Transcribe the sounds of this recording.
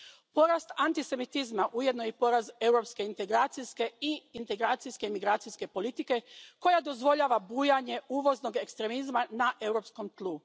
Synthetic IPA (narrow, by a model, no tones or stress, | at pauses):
po̞ɾast̪ant̪ise̞mit̪izmaʔuje̞d̪nojepo̞ɾaze̞wɾo̞pske̞int̪e̞ɡɾaːt̪siske̞iint̪e̞ɡɾaːt̪sijskemiɡɾaːt̪sijske̞po̞lit̪ike̞ko̞jad̪o̞zʋo̞ʎaːʋabuːjaɲe̞uːʋo̞zno̞ɡe̞kst̪ɾe̞mizmanaʔe̞wɾo̞psko̞mt̪lˠu